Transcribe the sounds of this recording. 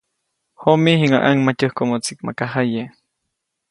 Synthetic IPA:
homihiŋaʔaŋmat͡ʃəhkomot͡sik̚ma̰kaɦaje

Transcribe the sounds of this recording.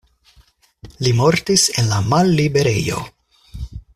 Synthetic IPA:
limo̞ɾtise̞nlamalːibe̞ɾe̞̰jo̞̰

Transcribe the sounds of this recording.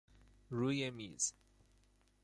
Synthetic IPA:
ɹujɛmḭz̥

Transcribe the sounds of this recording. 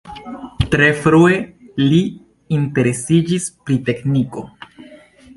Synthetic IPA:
tɾe̞fɾue̞ | liː | nte̞ɾe̞sid͡ʒispɾite̞kniko̞

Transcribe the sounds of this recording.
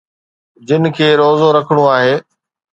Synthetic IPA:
d͡ʑɪnɪ̆kʰeːɾoːzoɾɐkʰəɽ̃uaːɦeː

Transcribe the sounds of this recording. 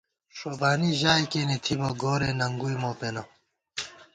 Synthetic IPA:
ʂoːbaːniʑaːjkenet̪ʰiboɡoːɾeːnɐŋɡujmoːpenɐ

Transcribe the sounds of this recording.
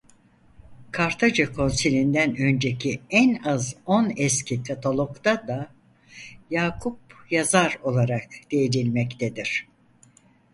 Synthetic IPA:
kʰaɾt̪ʰad͡ʒakʰo̞nsilʲind̪ænø̞nd͡ʒecʰiænazonɛscʰikʰat̪ʰalˠo̞kt̪ad̪a | jaːkʰup̚jazaɾo̞lˠaɾakd̪̥ejed̪ilʲmɛct̪ʰed̪iɾ̥

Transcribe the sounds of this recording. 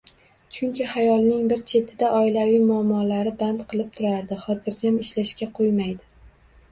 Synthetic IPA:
t͡ʃʰʊŋkʲɪhajɒlˠnɪŋbɪɾt͡ʃʰe̞t̪ʰɪd̪aʔɒɪlavijmʊamːɒlaɾɪbant̪qʰɨlˠɪp̚t̪ʰʊɾaɾd̪ɪχɒt̪ʰɪɾd͡ʒʲamɪʃlaʃkʲaqʰojmajd̪ɪ

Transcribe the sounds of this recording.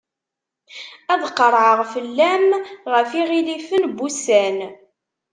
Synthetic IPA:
æðqːəɾˤʕəʁfəlːæmʁəfiʁilifənbusæn

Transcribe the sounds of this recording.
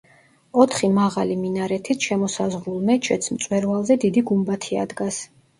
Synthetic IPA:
ɔt̪ʰχimaʁaliminaɾɛt̪ʰit̪ʰʃɛmɔsazʁɾulˠmɛt͡ʃʰɛt̪sʰmt̪sʼwɛɾvalˠzɛd̪id̪iɡumbat̪ʰia̰d̪ɡas

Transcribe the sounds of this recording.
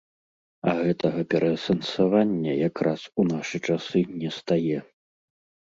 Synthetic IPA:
ɐ̰ɣɛt̪ɐɣɐpʲɛɾʔɐsɐnsavanʲːɐjakɾasunaʂɨt͡ʂasɨnʲɛst̪ajɛ

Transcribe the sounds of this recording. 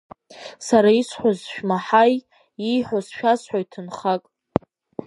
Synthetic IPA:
saɾaisħʷozʃᶣmaħaj | ijħʷozʃᶣasħʷojtʰɨnχakʼ

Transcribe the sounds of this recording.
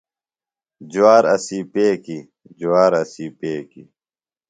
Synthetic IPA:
d͡ʑuwaːɾɐ̰siːpeːki | d͡ʑuwaːɾɐsiːpeːkḭ

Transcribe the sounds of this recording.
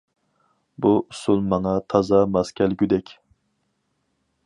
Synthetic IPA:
buʔusulˠmɑŋɑt̪ʰɑzɑmɑskʲʰɛlɡʲyd̪ɛkʲ

